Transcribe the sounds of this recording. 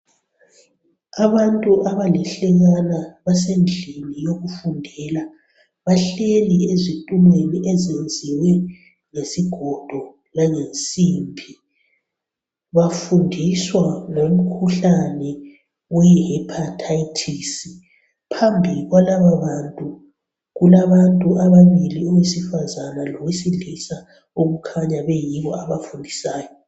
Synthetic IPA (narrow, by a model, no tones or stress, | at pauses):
aβantʼuʔaβalɛɬɛɣanaβasend͡ɮʱilijoɣufundʱɛla | βaɬeliezitʼumweniʔɛzend͡zʱiwɛ | ŋesiɡ̥ʱɔd̥ʱɔ | laŋent͡sʼimbʱi | βafundʱiswalom̩kʰuɬanɛ | wujihɛpʰatʰaitʰisi | pʰambʱiɣwalaβaβantʼu | ɣulaβantʼuʔaβaβiliɔwesifazanalɔwisilisa | oɣukʰaɲaβɛjiβɔaβafundʱisaːjɔ